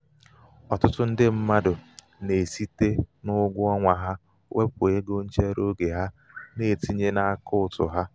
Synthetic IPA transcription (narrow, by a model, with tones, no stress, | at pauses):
ɔ˨tʊ˦tʊ˦n̩˦dɪ˦m̩˦ma˦dʊ˨ | ne˨si˦te˦nʊ˦ɡʷʊ˦ɔ˦ŋʷa˨ɦa˦ | wʔe˦pʊ˨e˦ɡo˦n̩˦t͡ʃe˦ɾo˦ɡe˨ɦa˦ | ne˨ti˦ɲe˦na˦kʊ˦ʊ˨tʊ̰˨ɦa˦